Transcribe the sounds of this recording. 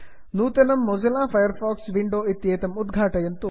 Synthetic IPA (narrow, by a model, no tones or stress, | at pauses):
nuːt̪ɐnɐmːozɐlaːpʰɐjɐɾpʰaːksʋiɳɖoːit̪jeːt̪ɐmud̪ɡʱaːʈɐjɐnt̪u